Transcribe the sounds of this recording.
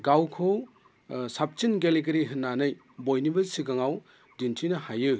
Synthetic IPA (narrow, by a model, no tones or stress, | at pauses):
ɡawkʰow | sap̚t͡ʃinɡeliɡɐɾiɦɯnːanɯj | bojnibɐsiɡaŋaw | dintʰinɐhajɯ